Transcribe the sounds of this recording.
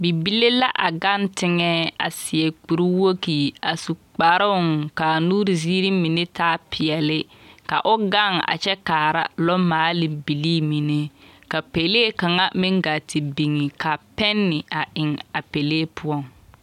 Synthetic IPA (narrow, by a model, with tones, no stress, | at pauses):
bi˨bi˦le˦la˦ʔa˨ɡa˦ntɪ˦ŋɛː˦a̰˨sɪ˨ɛ˨k͡pu˨ɾi˦wo˦ki˨a˨su˨k͡pa˨ɾɪ˦ʊ˦˨ŋka˨nuː˦ɾi˨ziː˦ɾi˦mi˨ne˦taː˦pʰɪ˨ɛ˨lɪ˦ka̰˨ʔʊ˦ɡa˦˨ŋa̰˨t͡ʃɛ˦kaː˨ɾa̰˦lɔ˦maː˨˦lɪ˨bi˨li˦mi˨ne˦ka˨pe˨leː˦ka˨ŋa˦mɪ˦ŋɡa˨tɪ˨bi˨ŋi˨ka˨pɛ˦nːɪ˨a˨ɪ˨ŋa˨pe˨leː˦pʰʊ˦ɔ˦˨ŋ